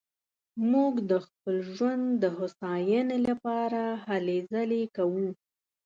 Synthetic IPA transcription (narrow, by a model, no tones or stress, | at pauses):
muɡd̪əxpəlʒwand̪d̪əɦʊsɑjənelapɑɾahalezəlekawu